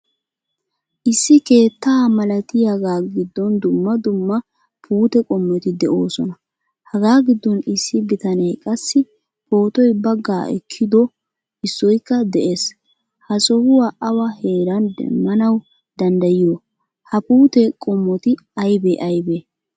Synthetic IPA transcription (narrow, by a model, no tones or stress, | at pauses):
ʔɪsːɪke̞ːt̪ːaːmɐlɐt̪ɪjaɡaːɡɪd̪ːɔnd̪ʊmːɐd̪ʊmːɐ | pʰuːt̪ɛkʼɔmːɔt̪ɪd̪ɛʔo̞ːsɔnɐ | hɐɡaːɡɪd̪ːɔnɪsːɪbɪt̪ɐnɛjkʼɐsːɪ | po̞ːt̪ɔjbɐɡːaːʔɛ̰kʰːɪd̪ɔ | ʔɪsːɔjkːɐd̪ɛʔe̞ːs | hɐsɔhʊwaːʔɐwɐhe̞ːɾɐnd̪ɛ̰mːɐnɐw | d̪̥ɐnd̪ɐjɪjo | hɐpuːt̪ɛkʼɔmːɔt̪ɪ | ɐjbeʔɐjbeː